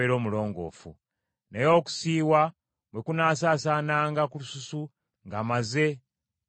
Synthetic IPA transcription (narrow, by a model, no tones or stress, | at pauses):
eɾo̞ːmulo̞ːŋɡo̞̰ːfṵ | nejo̞ːku̥siːwa | bwekunaːsaːsaːnaːŋɡakulususu | ŋɡamaze̞